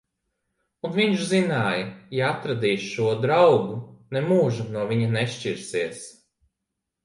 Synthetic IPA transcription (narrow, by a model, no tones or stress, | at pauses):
unviɲʃzinaːjɐjaat̪ɾad̪iːsʃuɔd̪ɾawɡunɛmuːʒunuɔvʲiɲɐnɛʃt͡ʃiɾsiɛs